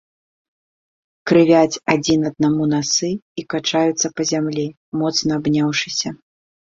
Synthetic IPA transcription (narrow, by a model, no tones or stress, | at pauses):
kɾɨvʲat͡sʲad͡zʲinɐd̪̚namunasɨikat͡ʂajut̪sːɐpɐzʲamlʲi | mɔt̪snɐːbnʲawʂɨsʲɐ